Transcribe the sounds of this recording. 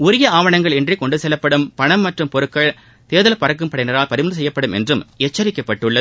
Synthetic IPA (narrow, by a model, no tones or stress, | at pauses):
ʊɾɪjɐaːʋɐɳɐŋɡɐɭɛndrikɔɳɖɯsɛlːɐpːɐɽɯmpɐɳɐmːɐʈrɯmpɔɾɯkːɐɭ | t̪eːðɐlɐpːɐɾɐk̬ːɯmpɐɽɪnɐɾaːlpɐɾɪmɐnðɯsɛjːɐpːɐɽɯmɛ̰ndrɯmɛt͡ʃːɐɾɪkːɐpːɐʈːɯɭːɐ